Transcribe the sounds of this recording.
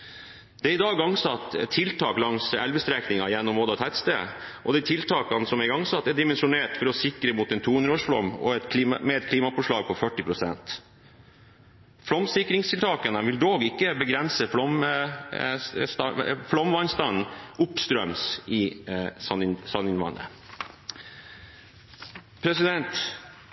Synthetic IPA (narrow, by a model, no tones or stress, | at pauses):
d̪̥ɛæɾɪd̪ɑːɡɑŋːsɑt̪ːʰɪlt̪ʰɑːklɑŋsɛlʋəst̪ɾɛknɪŋɑjɛnːɔmɔd̪ɑt̪ʰɛt̪st̪ḛʔɔd̪ɛt̪ʰɪlt̪ʰɑːkɑnsɔmɛɡɑŋsɑt̪ːɛɖɪmɛnʂʊneːʈfɔɾɔsɪkɾəmʊt̪ɛnt̪ʰuːhʉnɾoːʂflɔ̰mːɔ̰ɛt̪kʰliːmmɛɛt̪̚kʰliːmɑfɔʂlɑːɡ̚pʰɔfœʈːɪpʰɾʊsɛ̰nt̪ | flɔmsɪkɾɪŋst̪ʰɪlt̪ʰɑːkɑnəʋɪld̪oːɡɪkːəbəɡɾɛnsəflɔm | st̪ɑflɔmʋɑɪnst̪ɑnʔʊpst̪ɾœmsɪɑsɑnɪnʋɑ̰nə̰ | pʰɾɛsɪd̪ɛnt̪